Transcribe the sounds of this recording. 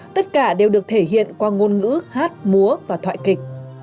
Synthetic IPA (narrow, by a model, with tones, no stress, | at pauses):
t̪ə˦˥t̚kaː˧˩ɗe˨˩wɗɨ˨˩ək̚t̪ʰe˧˩ɦḭ˧˨ənkwaː˧ŋo˧nŋɨ̰˧˥haː˦˥t̚mu˨˦əvaː˨˩t̪ʰwa̰ː˧˨kï˨˩k̟̚